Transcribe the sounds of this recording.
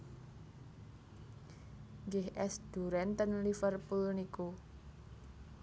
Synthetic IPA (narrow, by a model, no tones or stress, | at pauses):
ɡehʔɛsd̪̥ṳɾɛnt̪ənlifərpulniku